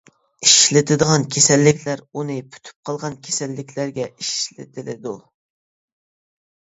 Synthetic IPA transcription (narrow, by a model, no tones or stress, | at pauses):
iʃlɪt̪ʰɪd̪əʁɑnkʲʰesɛlːɪkʲʰlæɾunɨpʰy̥t̪ʰy̥p̚qʰɑlˠʁɑnkʲʰe̥sɛlːɪkʲʰlæɾɡʲɛiʃlɪ̰t̪ʰɪlɪ̰d̪u